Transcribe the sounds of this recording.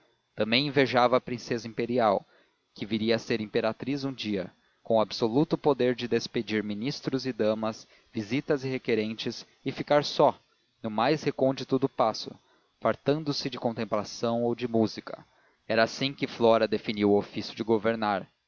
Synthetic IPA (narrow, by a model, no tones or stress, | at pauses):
t̪ɐ̃mbẽj̃ĩveʒavɐːpɾĩsezɐĩmpeɾiaw | kɪviɾiɐseɾĩpeɾat̪ɾizũd͡ʒiɐ | kõʊabsolut̪ʊpod̪eɾd͡ʒɪd̪esped͡ʒiɾminist̪ɾʊzɪd̪ɐ̃mɐs | vizit̪ɐzɪɦekeɾẽnt͡ʃɪs | ɪfikaɾsɔ | nʊmajshekõnd͡ʒit̪ʊd̪ʊpasʊ̰ | faɾt̪ɐ̃nd̪ʊsɪd͡ʒɪkõnt̪ẽmplasɐ̃w̃owd͡ʒɪmuzikɐ | ɛɾɐːsĩkɪflɔɾɐd̪efiniwofisjʊd͡ʒɪɡoveɾnaɾ